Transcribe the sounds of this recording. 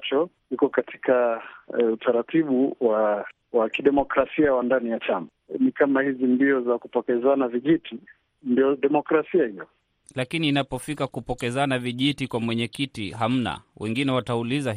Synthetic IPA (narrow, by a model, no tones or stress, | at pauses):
t͡ʃɔ | ikɔkatʰi̥ka | utʰaɾatʰiɓuwa | wakiɗɛmɔkɾasiawandanijat͡ʃama | nikamahizindiɔzakupɔkɛzanaviʄitʰi | ndiɔɗɛmɔkɾasiahiɔ | lakiniːnapɔfikakupɔkɛzanaviʄitikwamwɛɲɛkitiɦam̩na̰wʔɛŋɡinɛwatauliza